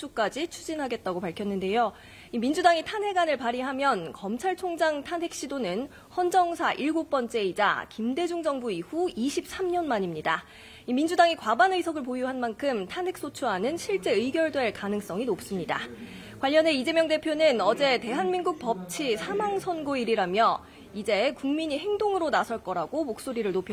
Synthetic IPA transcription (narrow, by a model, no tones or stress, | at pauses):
uk͈ad͡ʑit͡ɕʰud͡ʑinɦaɡe̞t̚t͈aɡopaɭkʰjʌnːɯnde̞jo | imind͡ʑudaŋitʰanɦe̞ɡanɯɭpaɾiɦamjʌnkʌmt͡ɕʰaɭt͡ɕʰoŋd͡ʑaŋtʰanɦe̞k̚ɕ͈idonɯn | hʌnd͡ʑʌŋsʰaʔiɭɡok̚p͈ʌnt͡ɕ͈e̞id͡ʑa̰kimde̞d͡ʑuŋd͡ʑʌŋbuihuiɕʰip̚s͈amɲʌnmaɲimɲida | imind͡ʑudaŋikwabanɯisʰʌɡɯɭp̬ojuɦanmankʰɯmtʰanɦe̞k̚s͈ot͡ɕʰuɦanɯnɕʰiɭt͡ɕ͈e̞ɯiɡjʌɭdwe̞ɭkanɯŋs͈ʌŋinop̚s͈ɯmɲida̰ | kwaʎːjʌne̞id͡ʑe̞mjʌŋde̞pʰjonɯnʌd͡ʑe̞te̞ɦanminɡuk̚pʌp̚t͡ɕʰisʰamaŋsʰʌnɡoiɾiɾamjʌ | id͡ʑe̞kuŋmiɲiɦe̞ŋdoŋɯɾonasʰʌɭk͈ʌɾaɡomok̚s͈oɾiɾɯɭnopʰjʌ